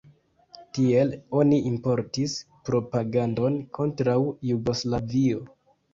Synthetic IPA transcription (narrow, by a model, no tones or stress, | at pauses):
tie̞lo̞niʔimpo̞ɾtispɾo̞paɡando̞nkʰo̞ntɾawjuɡo̞slavio̞